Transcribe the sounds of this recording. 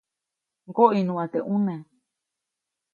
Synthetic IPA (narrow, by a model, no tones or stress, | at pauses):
ŋɡoʔinũãt̪eʔũnẽ